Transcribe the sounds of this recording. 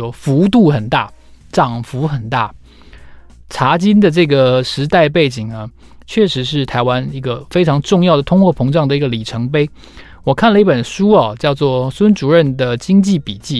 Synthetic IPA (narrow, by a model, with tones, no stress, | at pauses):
ɔ˥fu˧˥t̪u˥˩xə˨˩nt̪a̰˥˩ʈ͡ʂɑ˨˩ŋfu˧˥xə˨˩nt̪a̰˥˩ | ʈ͡ʂʰa˧˥t͡ɕi˥nd̪ə˨ʈ͡ʂɤ˥˩ɡə˩ʂɻ̩˧˥t̪a˥˧ɪp̬e˥˩ɪt͡ɕi˨˩ŋnə˦ | t͡ɕʰɥɛ˥˩ʂɻ̩˧˥ʂɻ̩˥˩t̪ʰa˧˥ɪwa˥ni˧˥ɡə˧fe˥ɪʈ͡ʂʰɑ˧˥ŋʈ͡ʂʊ˥˧ŋjɑ˥˩ʊd̪ə˩t̪ʰʊ˥ŋxwɔ˥˩pʰɤ˧˥ŋʈ͡ʂɑ˥˩ŋd̪ə˩i˧˥ɡə˧˩li˨˩ʈ͡ʂʰɤ˧˥ŋpe˥ɪ | wɔ˨˩kʰa˥˩nlə˧i˥˩pə˨˩nʂu˥ɐ˨˩t͡ɕjɑ˥˧ʊt͡swɔ˥˩swə˥nʈ͡ʂu˨˩ɻə˥˩nd̪ə˩t͡ɕi˥ŋt͡ɕi˥˩pi˨˩t͡ɕi˥˩